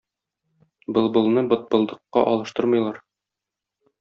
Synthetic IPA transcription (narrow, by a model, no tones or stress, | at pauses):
bɤ̆lˠbɤ̆lˠnɤbɤ̆t̪̚bɤ̆lˠd̪ɤ̆qːɑ̰ʔɒlˠɤ̆ʃt̪ɤɾmɤ̆jlˠɑɾ